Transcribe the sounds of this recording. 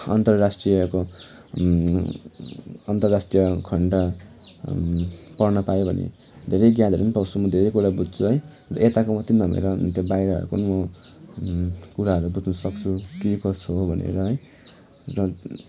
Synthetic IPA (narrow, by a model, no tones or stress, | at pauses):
ʌ̰nt̪ʌrrasʈrijʌko | ʌnt̪ʌrrasʈrijʌkʰʌɳɖʌ | pʌrnʌpajobʱʌ̰nḛ | d̪ʱeɾʌjɡjãd̪ʱeɾnpawt͡sʰumʌd̪ʱeɾʌjkuɾabud͡zt͡sʰuɦʌj | rʌʔet̪akomʌt̪ind̪ʱʌmḛɾʌt̪jebajɾʌɦʌ̰ɾṵkonmʌ | kuɾaɦʌɾubut͡snʌsʌkt͡sʰukikʌt͡sʰobʱʌnḛɾʌɦʌj̃ | rʌ